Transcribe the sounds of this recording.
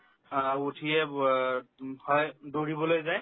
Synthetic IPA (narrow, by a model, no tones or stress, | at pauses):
utʰiɛ | hɔjdoɹibɔlojzaj